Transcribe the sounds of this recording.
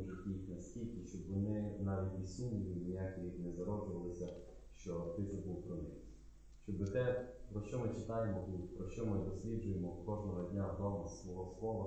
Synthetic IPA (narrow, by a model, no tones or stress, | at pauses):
ʒɛtʲiixnɐsʲtʲilʲkʲɪʃt͡ʃɔbʋɔnɪnɑʋʲit̪ʲʋʲisʲumʲilʲinʲijakʲiibnɛzɐɾɔd͡ʒʊʋɐlˠɪsʲɐ | ʃt͡ʃɔt̪ɪt̪sɛbulˠpɾɔnɪ | ʃt͡ʃɔbɪt̪ɛpɾɔʃt͡ʃɔmɪt͡ʃɪt̪ɑjemɔt̪ut̪pɾɔʃt͡ʃɔmɪd̪ɔsʲlʲid͡ʒʊjemɔkɔʒnɔɦɔdʲnʲad̪ɔmɐsʋɔɦɔslˠɔʋɐ